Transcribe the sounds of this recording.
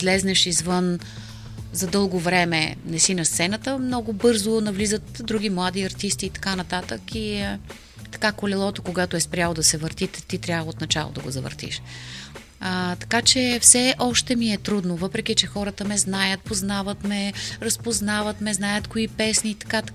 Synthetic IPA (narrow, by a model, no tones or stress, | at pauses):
zlɛznɛʃizvɤn | zɐd̪ɤlˠɡovɾɛmɛ̰nɛsinɐst̪sɛnɐt̪əmnɔɡʊbɤɾzonɐvlizət̪d̪ɾuɡʲimlˠad̪iɐɾt̪ist̪iːt̪ɐ̥kanɐt̪at̪əki | t̪ɐ̥kakolɛlˠɔt̪okoɡat̪oɛspɾʲjalˠod̪ɐsɛvəɾt̪it̪t̪ːit̪ɾʲjavˠot̪nɐt͡ʃa̰lˠo̰d̪ɐɡo̰zɐvə̰ɾt̪ḭʃ | ət̪ɐ̥kat͡ʃɛfsɛʔɔʃt̪ɛmiɛt̪ɾud̪novɤpɾɛk̟it͡ʃɛxɔɾət̪əmɛznajət̪̚poznavət̪mɛɾɐspoznavət̪mɛznajət̪koipɛsniːt̪ɐ̥ka